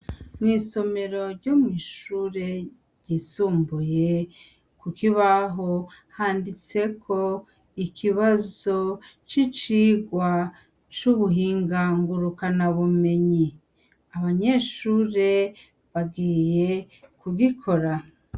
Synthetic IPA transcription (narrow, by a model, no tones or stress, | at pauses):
nŋiːso̞me̞ɾo̞ɾɟomŋiːʃuːɾe̞ | ɾɟisuːmbuje̞ | kukiβaɦohaːndit͡se̞kʰo̞ | ikʰiβazo̞t͡ʃit͡ʃiɡwa | t͡ʃuβuɦiːŋɡaŋɡuɾukanaβume̞ɲi | aβaɲe̞ːʃuːɾe̞ | βaɡiːje̞ | kuɡikʰo̞ɾa